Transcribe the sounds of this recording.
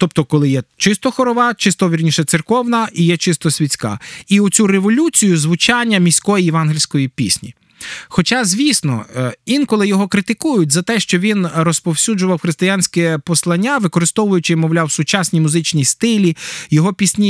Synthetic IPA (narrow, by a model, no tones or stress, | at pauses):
t̪ɔp̚t̪ɔkɔlˠɪjɛt͡ʃɪst̪ɔxɔɾɔʋɑt͡ʃɪst̪ɔʋʲirʲnʲiʃɛt̪serkɔwnɐʔijɛt͡ʃɪst̪ɔsʲʋʲit͡sʲkɑ̰iʊt͡sʲuɾeʋɔlʲut͡sʲijʊzʋʊt͡ʃɑnʲːɐmʲisʲkɔjijɛʋɑnɦɪlʲsʲkɔjipʲḭsʲnʲḭ | xɔt͡ʃɑzʲʋʲisnɔ̰ʋʲinkɔlˠɪjɔɦɔkɾɪt̪ɪkujʊtʲzɐt̪ɛʃt͡ʃɔʋʲinrɔspɔwsʲud͡ʒʊʋɐwxɾest̪ɪjanʲsʲkɛpɔslˠɐnʲːaʋɪkɔɾɪst̪ɔʋʊjʊt͡ʃɪmɔwlʲawsʊt͡ʃasʲnʲimʊzɪt͡ʃnʲijst̪ɪlʲijɔɦɔpʲisʲnʲi